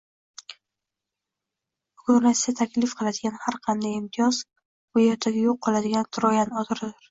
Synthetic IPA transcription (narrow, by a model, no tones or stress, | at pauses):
bʊɡʊɾnassat̪ʰakʲʰlɪfqʰɨlˠad̪ɪɡʲanhaɾqʰɑnd̪ajɪmt̪ʰɪjɒz | vajɒɾt̪ʰaɡʲajoqʰːɒlˠad̪ɪɡʲant̪ʰʊɾɒjanɒt̪ʰɪɾɪd̪ɪɾ